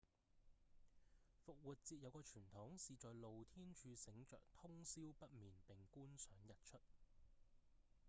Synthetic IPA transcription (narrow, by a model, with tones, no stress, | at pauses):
fʊ˨k̚wuː˨t̚t͡siː˧t̚jɐ˨˧wkɔː˧t͡ʃʰyː˨˩nt̪ʰʊ˨˥ŋsiː˨t͡ʃɔː˨jlo˨wt̪ʰiː˥nt͡ʃʰyː˨˧sɪ˨˥ŋt͡ʃœ̰ː˨k̚t̪ʰʊ˥ŋsiː˥wpɐ˥t̚miː˨npɪ˨˩ŋkuː˥nsœː˨˥ŋjɐ˨t̚t͡ʃʰɵ˥t̚